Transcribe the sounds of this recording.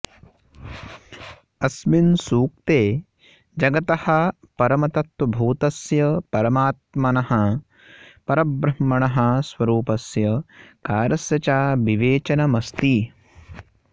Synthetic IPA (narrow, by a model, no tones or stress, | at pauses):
ɐsminsuːk̚t̪eː | d͡ʒɐɡɐt̪ɐhɐ̆ | pɐɾɐmɐt̪ɐt̪wɐbʱuːt̪ɐsjɐpɐɾɐmaːt̪̚mɐnɐɦɐ̆ | pɐɾɐbɾɐmːɐɳɐɦɐ̆sʋɐɾuːpɐsjɐkaːɾɐsjɐt͡ʃaːbiʋeːt͡ʃɐnɐmɐst̪i